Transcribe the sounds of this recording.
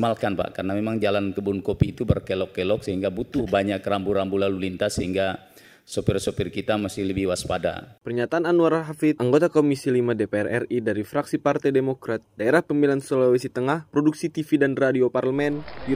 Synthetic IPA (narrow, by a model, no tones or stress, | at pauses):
malkanpa̰ʔkarnamemaŋd͡ʒalankəbunkopiːt̪ubərkɛlɔkːɛlɔk̚səɦiŋɡabut̪ʊhbaɲakːəɾambuɾambulalulint̪asəɦiŋɡa | sopɪrsopɪrkit̪amasɪhləbihwaspada̰pərɲat̪aananuaɾaɦafit̪̚ʔaŋɡot̪akomisilimadepeɛrʔɛridaɾifɾaksipart̪ajdemokɾat̪̚daeɾahpəmilansolawisit̪əŋahpɾoduksit̪ifidanradioparləmɛn